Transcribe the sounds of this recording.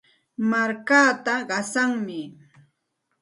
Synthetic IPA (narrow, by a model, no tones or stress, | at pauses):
maɾkaːt̪aɢɑsaŋmɪ